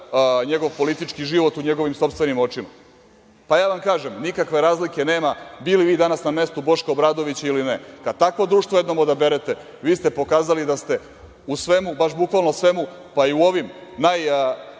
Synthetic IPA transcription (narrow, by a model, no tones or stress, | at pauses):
ɲe̞ɡo̞ʋpo̞lit̪it͡ʃkiʒiʋo̞t̪uɲe̞ɡo̞ʋimso̞pst̪ʋenimo̞t͡ʃima | pajaːʋamkaːʒemnikakʋe̞ɾaːzlike̞neːmabiliʋiːd̪anasname̞st̪ubo̞ʃkoːbɾaːd̪o̞ʋit͡ɕilinekad̪̚t̪akʋod̪ɾuːʃt̪ʋojed̪nomod̪abe̞ɾet̪e̞ | ʋiːst̪e̞po̞kaːzalid̪ast̪e̞ | usʋe̞mubaʃbukʋalˠnosʋe̞mu | paiuoʋimnaj